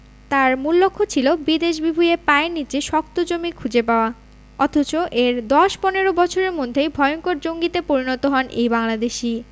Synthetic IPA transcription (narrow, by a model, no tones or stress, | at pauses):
t̪aɾmulːokʰːot͡ɕʰilobid̪eʃ̬bibʱujepaenːit͡ɕeʃɔk̚t̪od͡ʑomikʰud͡ʑepaoa | ɔt̪ʰot͡ɕoʔeɾd̪ɔʃpɔneɾobɔt͡ɕʰoɾeɾmod̪ʱːejbʱɔeoŋkoɾd͡ʑoŋɡit̪epoɾinɔt̪oɦɔnʔḛjbaŋlad̪eʃi